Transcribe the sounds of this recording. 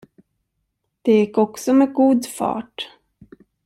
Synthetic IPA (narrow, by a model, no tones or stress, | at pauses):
d̪̥ɛjɪkːɔksɔmɛɡuːd̪fɑ̰ːʈ